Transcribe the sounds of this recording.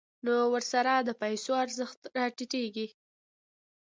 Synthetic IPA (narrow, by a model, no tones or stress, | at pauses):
nowəɾsaɾad̪əpajsoaɾzəxt̪ɾɑʈiʈeɡi